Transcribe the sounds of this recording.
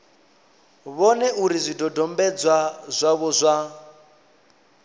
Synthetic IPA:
βɔnɛʔuɾizʷidɔdɔmbɛd͡zwazʷaβɔzʷa

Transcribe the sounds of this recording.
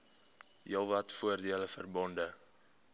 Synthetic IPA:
jiəlˠvɐtfuərdiələfərbɔndə

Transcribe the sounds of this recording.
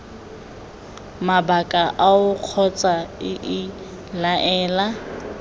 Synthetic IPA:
mabakʼaʔaʊq͡χʰɔt͡sʼaɪʔɪ | laʔɛːla

